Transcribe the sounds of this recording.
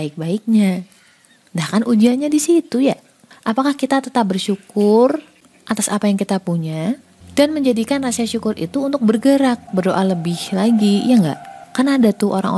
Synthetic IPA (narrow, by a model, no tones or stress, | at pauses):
aɪk̚baɪk̚ɲa | ndahkanud͡ʒianɲadisit̪uja | ʔapakahkit̪at̪ət̪ap̚bərʃukʊr | ʔat̪asapajaŋkit̪apuɲa | danməɲd͡ʒadikanrasiaʃukʊrʔḭt̪uːnt̪ʊk̚bərɡəɾak̚bərdoʔaləbɪhlaɡijaŋɡa̰ʔkərnadat̪uʔo̰ɾa̰ŋo̰